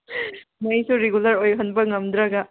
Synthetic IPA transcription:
mɐjsuɾeɡulɐɾojɦɐnbɐŋɐmd̪ɾɐɡɐ

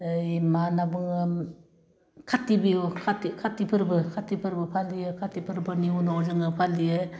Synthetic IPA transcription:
jmanabɯŋɯ | kʰatibikʰatikʰatipʰɯɾbɯkʰatipʰɯɾbɯpʰaliɯkʰatipʰɯɾpʰɯɾniunɔwzɯŋɯpʰalijɯ

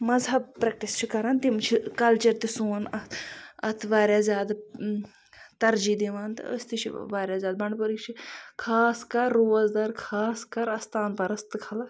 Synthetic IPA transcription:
mɐzɦɐbpɾɐk̚ʈist͡ʃʰikɐɾaːnt̪imt͡ʃʰikɐlt͡ʃɐɾt̪isuːnɐɐ̰t̪ʰʋaːɾʲjaːzʲaːd̪ | t̪ɐɾd͡ʒid̪eʋaːnt̪ɨ̰ə̰sʲt̪it͡ʃʰḭʋaːɾʲjaːzʲaːd̪̚bɐɳɖpɐɾikt͡ʃʰikʰaːskɐɾːoːɐzd̪ɐɾkʰaːskɐɾɐst̪ʰaːnpɐɾɐst̪ɨkʰɐla

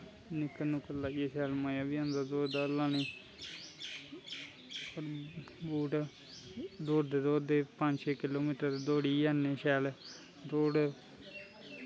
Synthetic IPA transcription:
nɪkənʊkːəlaːɡeːsɛːlmaːjaːbiãnd̪aːd̪oːɾd̪aːlaːniː | oɾ | buːʈ | d̪oːɾd̪eːd̪oːd̪eːpə̃ɲd͡ʒʃeːkɪloːmiːʈəɾd̪d̪oːɽiːjanːeːʃɛːl | d̪oːɽ

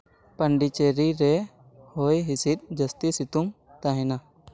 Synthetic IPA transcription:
pəɳɖit͡ʃeɾiɾɛ | hojɦisit̪̚d͡ʒəst̪isit̪um | t̪aɦɛ̃na

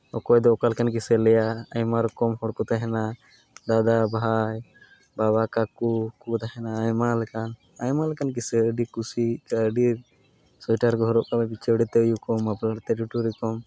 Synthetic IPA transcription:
ɔ̰kɔjd̪ɔɔkalkankisɛlɛjaəjmaɾkɔmhɔɽkɔt̪aɦɛna | d̪ad̪abʱaj | baβakakukut̪aɦɛnaːjmalɛkan | ajmalɛkankiseəɖikusikaəɖiɾ | sɔjʈaɾkɔɦɔɾɔʔkababit͡ʃəɽit̪ɛəjukɔmaplaɾt̪ɛʈuʈuɾikɔm

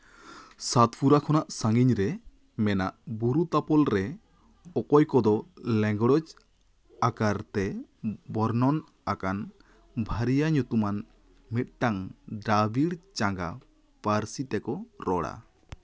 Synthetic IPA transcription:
sat̪pʰuɾakʰɔnaʔsaŋɡiɲɾɛ | mɛna̰ʔbuɾut̪apɔlɾɛ | ɔkɔjkɔd̪ɔlɛ̃ŋɡɔɽɔd͡ʒ | akaɾt̪ɛbɔɾnɔn | akan | bʱaɾijaɲut̪uman | mit̪̚ˀʈaŋɖabiɽt͡ʃaŋɡa | paɾsit̪ɛkɔɾɔɽa̰

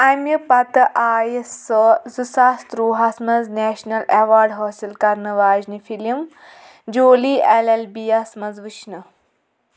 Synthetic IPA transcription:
ɐmjɐpɐt̪ɨʔaːjszɨsast̪ɾuːɦɐsmɐzneːʃnɐleʋaːɾɖɦoːsilkɐɾnɐʋaːd͡ʒnifʰilɐm | d͡ʒoːlielelbiːjɐsmɐzʋit͡ʃnɨ

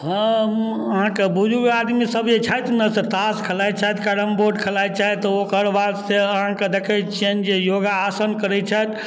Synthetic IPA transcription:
ɦə̃ | əɦãkebud͡ʒʱuead̪misəbjet͡ʃʰajt̪nəsəɾt̪askʰəlajt͡ʃʰaɦɛt̪kaɽəmboɖkʰəlajt͡ʃaɦɛt̪ɔokəɾʋaɾseəɦãked̪ekʰət͡ʃend͡ʒejoɡaːsənkəɾɛt͡ʃʰət̪

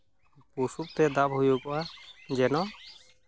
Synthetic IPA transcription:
pusup̚t̪ɛd̪abɦujukɔʔad͡ʒɛnɔ

